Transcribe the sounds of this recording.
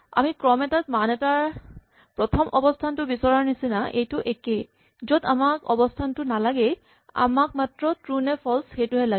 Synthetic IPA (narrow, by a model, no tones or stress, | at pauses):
a̰mikɹɔmɛtat̚manɛtaɹ | pɹɔtʰɔmʔɔbɔstʰantʊbisɔɹaɹnisinaʔejtʊʔeke | zoda̰makɔ̰bɔstʰantʊnalaɡɛ | a̰mak̚matɹɔtɹunɛpʰɔlsxejtʊɦɛla